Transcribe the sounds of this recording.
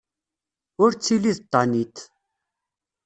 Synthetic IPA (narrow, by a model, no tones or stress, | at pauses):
wort͡ɕʰilist̪anit̪ʰ